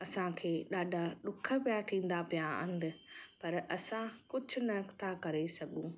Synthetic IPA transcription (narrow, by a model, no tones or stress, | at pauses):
ɐsãkʰeːɗaːɖʱaɗʊkʰəpijat̪ʰĩːn̆d̪apijaɐ̰̃nd̪ɪpɐɾɐsãkʊd͡ʑʱʊ̆nɐt̪ʰakɐɾesɐɡũ